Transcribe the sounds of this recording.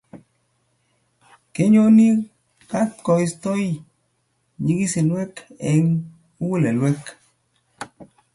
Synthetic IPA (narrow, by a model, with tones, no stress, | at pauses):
ke˦ɲo˦ni˦ | ka˦t̪kɔ˨i˨˦st̪ɔ˦i˦ | ɲi˦ki˦se˨nwɛ˦kɛ˨ŋ | u˦wu˦lɛ˨lwɛ˦k